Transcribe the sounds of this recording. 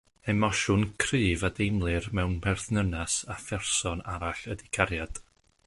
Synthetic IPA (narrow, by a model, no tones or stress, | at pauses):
ɛmɔʃʊnkʰrɨːvadejmlˠɨrmɛwnbɛrθnənasafɛrsɔnaɾaɬədikʰaɾjad̥